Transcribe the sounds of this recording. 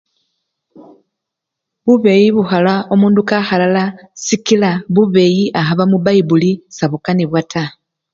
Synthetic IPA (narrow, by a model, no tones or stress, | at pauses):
βuβe̞jiβuxalao̞muːndukaxalalasikilaβuβe̞ːjiʔaɦaβamuβaibulisaβukaniβwatʰa